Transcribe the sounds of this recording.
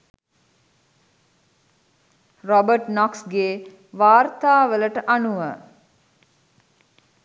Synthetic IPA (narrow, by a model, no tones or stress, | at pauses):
rɔbəʈnɔksɡeː | ʋaːrt̪aːʋələʈəʔanuʋə